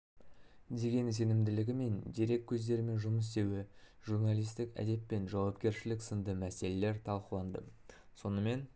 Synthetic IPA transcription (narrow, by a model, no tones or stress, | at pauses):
d̪e̞ɡʲe̞ns̬e̞nɪmd̪ɪlɪɡʲɪme̞nd̪eɾe̞k̚ʲʰːɵzd̪e̞ɾɪme̞nʒʊməs̬d̪e̞wɪʒuɾnalijst̪ɪkæ̰d̪e̞pːe̞nʒɑwɑpkʲe̞ɾʃɪlɪksənd̪əmæse̞le̞le̞ɾt̪ʰɑlˠqəlˠɑnd̪ə̰ | so̞nəme̞n